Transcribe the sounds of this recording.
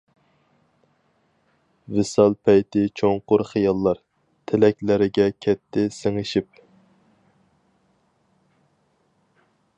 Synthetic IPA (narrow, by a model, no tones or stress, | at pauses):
vɪsɑlˠpʰɛjt̪ɪt͡ʃʰoŋqʊɾχijɑlˠːɑɾ | t̪ʰɪlɛkʲlɪɾɪɡʲɛkʲʰɛt̪ʰːɪseŋɨʃip̚